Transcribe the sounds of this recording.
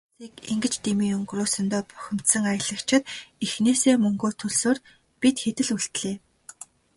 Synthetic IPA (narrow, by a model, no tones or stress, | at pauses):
siːkiŋɡɘ̆t͡ɕt̪emiːŋɵŋɡrʊːsɵ̆nt̪ɔːpœ̥xʲɪ̆m̥t̪sə̆ŋajə̆ɮə̆kt͡ɕʰɪ̆t̪ixneːseːmɵŋɡoːt̪ʰɵɮsoːr | pit̪xet̪ɘ̆ɮuɬt̪ɮeː